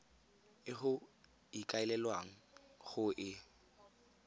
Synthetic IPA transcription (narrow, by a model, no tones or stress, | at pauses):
ɪχʊ | ikʼaɪlɛlwaŋ̩χʊʔɪ